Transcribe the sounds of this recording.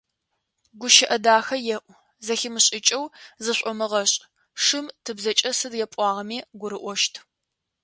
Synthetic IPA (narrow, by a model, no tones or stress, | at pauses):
ɡʷʊʃɐʔɐdaːxɐjɛʔʷ | zɐxɪmɨɕʼɪt͡ʃʼɐwzɨɕʷʼɔmɨʁɐɕʼ | ʂɨmtʰɨbzɐt͡ʃʼɐsɨdjɛpʷʼɑːʁɐmiːɡʷʊɾɨʔʷɔʃtʰ